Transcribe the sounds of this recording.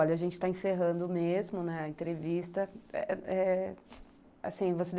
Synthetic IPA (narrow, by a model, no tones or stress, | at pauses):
ɔʎɐaʒẽnt͡ʃɪ̥t̪aẽseɦɐ̃nd̪ʊmezmʊnɛɐẽt̪ɾevist̪ɐɛ̰ɛ | a̰sĩvosed̪